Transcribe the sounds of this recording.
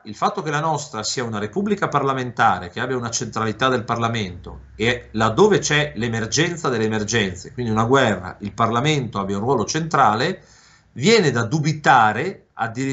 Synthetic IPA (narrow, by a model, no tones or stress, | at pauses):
ilfat̪ːok̟elanɔst̪ɾasiːaunaɾepubːlikaparlament̪aːɾek̟eabjaunat͡ʃent̪ɾalit̪ad̪ːelparlament̪o̰ | elad̪ːoːvet͡ʃɛlemerd͡ʒɛnt̪sad̪elːeːmerd͡ʒɛnt̪sekwind̪iunaɡwɛrːa̰ilparlament̪oabjaũnrwɔːlot͡ʃent̪ɾaːle | vjɛːned̪ad̪ubit̪aːɾe | a̰d̪ːiɾi